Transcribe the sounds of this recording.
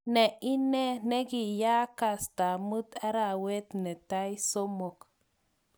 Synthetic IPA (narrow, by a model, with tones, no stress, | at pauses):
nɛ˨ʔi˦nɛ˦nɛ˦ɡi˨ja˦ka˨sta˨mu˦t̪a˦ɾa˨we˦t̪nɛ˨ta˦jso˦mo˨k